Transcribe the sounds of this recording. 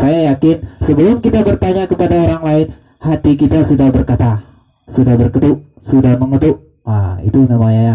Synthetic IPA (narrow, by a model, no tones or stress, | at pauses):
sajajakɪnsəbəlʊmkit̪abərt̪aɲakəpadaoɾaŋlaɪn | hat̪ikit̪asudahbərkat̪a | sudahbərkət̪ʊʔ | sudahməŋət̪ʊʔ | aḭt̪unamaɲaa